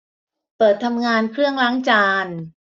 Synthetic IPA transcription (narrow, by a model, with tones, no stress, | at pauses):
pɤː˨˩t̪ʰːa˧mŋaː˧nkʰɾɯ˥˩əŋlaː˦˥ŋt͡ɕaː˧n